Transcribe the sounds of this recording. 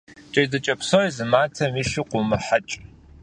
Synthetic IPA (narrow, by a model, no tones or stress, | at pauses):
t͡ʃʼɐjdɐt͡ʃʼɐpsoizɨmaːtʰɐmiːʃɪqʷʊmɨħat͡ʃʼ